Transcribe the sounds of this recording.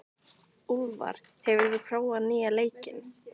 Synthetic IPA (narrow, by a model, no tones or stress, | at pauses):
ulva̰ɾ̥ | hɛvʏɾvɪðkʰɾaːwanɪːaleːjcɪn